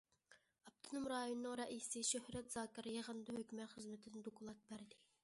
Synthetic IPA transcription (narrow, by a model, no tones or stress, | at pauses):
ɑp̚t̪ʰɨnumɾɑːjonɨːɨŋɾɑʔisɨʃøhɾɛt̪zɑːkʲɪɾɨjɑʁɑnd̪ɨhøkʲmɛt̪χəzmɪt̪ʰɪnɪd̪okʰʊlˠɑk̪̚bæɾd̪ɪ